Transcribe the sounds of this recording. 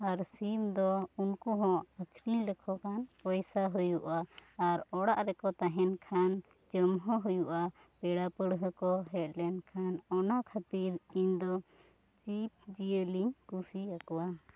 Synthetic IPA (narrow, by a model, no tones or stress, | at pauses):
aɾsimd̪ɔunkuɦɔ̃əkʰɾilɛkʰɔkanpɔjsaɦujuʔaːɾɔɽaʔɾɛkɔt̪aɦɛnkʰan | d͡ʒəmɦɔ̃ɦujuʔa | pɛɽapəɽɦəkɔɦɛt̪̚ˀlɛnkʰanɔnakʰat̪iɾiɲd̪ɔ | t͡ʃip̚d͡ʒijəliɲkusiakɔwa